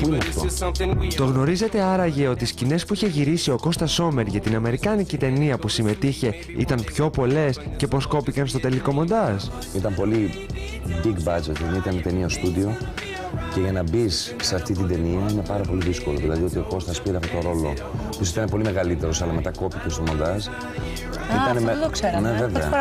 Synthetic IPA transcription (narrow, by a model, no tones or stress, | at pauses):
puineɐft̪ot̪o̞ɣno̞ɾize̞t̪e̞ɐɾɐʝe̞o̞t̪iːscine̞spuiçeʝiɾisio̞ko̞st̪ɐso̞me̞ɾʝɐt̪inɐme̞ɾikɐnicit̪e̞niɐpusime̞t̪içe̞ | ḭt̪ɐnpço̞po̞le̞sce̞po̞sko̞pikɐnst̪o̞t̪e̞liko̞mo̞nd̪ɐs | it̪ɐmpo̞li | biɡbɐd͡ʒet̪nit̪ɐnet̪e̞niɐst̪udio̞ | ce̞ʝɐnɐbisːeɐft̪it̪̬ind̪e̞niɐmuine̞pɐɾɐpo̞liðisko̞lo̞ðilɐðio̞t̪io̞ko̞st̪ɐspiɾeɐft̪ot̪oɾo̞lo̞̰ | pus̬it̪ɐnepo̞lime̞ɣɐlit̪e̞ɾo̞sɐlɐme̞t̪ɐko̞picest̪omo̞nd̪ɐs | it̪ɐneðokseneveveɐ̰